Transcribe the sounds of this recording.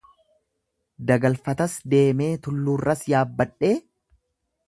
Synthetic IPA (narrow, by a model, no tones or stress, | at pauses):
d̪ɐɡɐlfɐt̪ɐsd̪e̞ːme̞ːt̪ʊlːuːrːɐsjaːbːɐᶑːe̞ː